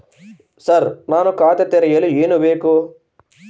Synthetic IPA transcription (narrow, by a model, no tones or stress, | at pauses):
sɐɾnaːnukaːt̪ɐt̪eɾɐjɐlueːnubeːku